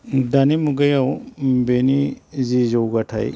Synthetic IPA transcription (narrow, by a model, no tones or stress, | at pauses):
danimuɡajawbenizizowɡatʰa̰j